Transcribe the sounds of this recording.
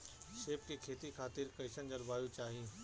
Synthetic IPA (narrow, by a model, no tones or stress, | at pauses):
ʃeːpkekʰeːt̪ikʰaːt̪ɪɾkɐɪʃənd͡ʒɐɾbaːjut͡ʃaːɦiː